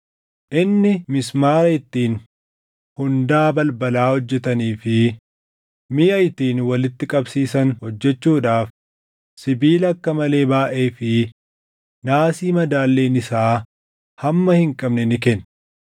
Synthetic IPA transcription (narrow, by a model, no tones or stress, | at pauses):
ʔɪnːɪmɪsmaːɾɐɪt̪ːiːn | hʊnd̪aːbɐlbɐlaːhɔd͡ʒːɛt̪ɐniːfɪ | mɪjʔɐjt̪iːnwɐlɪt̪ːɪkʼɐbsiːsɐnhɔd͡ʒːɛt͡ʃːuːᶑaːf | sɪbiːlɐkːɐmɐle̞ːbaːʔeːfɪ | naːsiːmɐd̪aːlːe̞ːnɪsaː | hɐmːɐhɪŋkʼɐbnɛnɪkɛnː